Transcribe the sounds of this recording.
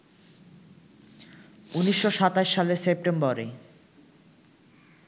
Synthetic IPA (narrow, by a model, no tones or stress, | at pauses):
uniʃːoʃat̪aʃːalesep̚ʈembɔɾe